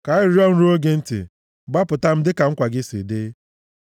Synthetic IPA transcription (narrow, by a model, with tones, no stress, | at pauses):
ka˨ɪ˦ɾi˦ɔ˦n̩˦ɾu˦o˦ɡe˦n̩˦tɪ̰˨ | ɡ͡ba˦pʊ˨ta˦m̩˦dɪ˦ka˨ŋ̩˦kʷa˨ɡɪ˦sḭ˨de˦